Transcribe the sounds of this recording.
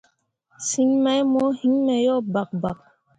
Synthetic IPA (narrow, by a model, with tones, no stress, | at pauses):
si˦ɲma˦jmɔ˦hi˦ɲmɛ˨jɔ˦˨ba˨k̚ba˨k̚